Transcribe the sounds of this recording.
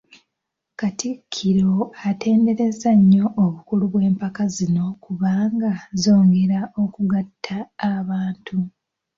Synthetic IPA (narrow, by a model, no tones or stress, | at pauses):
katikʰːiɾo̞ate̞ːnde̞ɾe̞zaɲːo̞ʔːβukuluβwe̞ːmpakazino̞kuβaːŋɡazo̞ːŋɡe̞ɾaʔo̞kuɡatʰːaːβaːntʰu